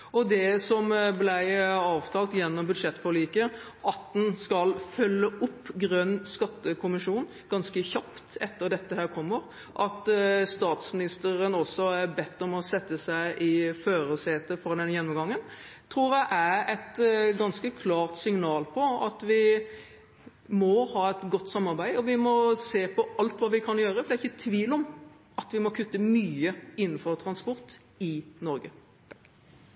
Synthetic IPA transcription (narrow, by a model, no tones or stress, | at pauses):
ɔd̪ɛsɔmblæɪɑːʋt̪ʰɑːlt̪jɛnːɔmbʉd̪ʂɛt̪ːfɔɭiːkə | ʔɑt̪d̪nskɑlfœlːəʔʊpːɡɾœnːskɑt̪ːəkʰʊmɪʂuːn | ɡ̥ɑnskəçɑpt̪ɛt̪ːəɾd̪ɛt̪ːəhæːɾkʰɔmːəɾ | ʔɑt̪st̪ɑːt̪smɪnɪst̪əɾənɔsɔæɾbɛt̪ːɔmɔsɛt̪ːəsæɪʔɪføːɾəseːt̪əfɾɑd̪ɛnːəjɛnːɔmɡɑŋːənt̪ʰɾuːɾd̪ɛʔæɾɛt̪ɡɑnskəkʰlɑːʁt̪sɪŋnɑːlpʰɔɑt̪ʋɪ | mɔhɑːɛt̪ɡɔt̪ːsɑmːɑɾbæɪɔʋɪmɔseːpʰɔʔɑlt̪ʋɑːʋɪkʰɑnjøːɾəfɔd̪ɛæɪçːət̪ʰːʋiːlɔm | ʔɑt̪ʋɪmɔkʰʉt̪ːəmyːəɪnːnfɔɾt̪ʰɾɑnspɔɾt̪ | ɪnɔɾɡə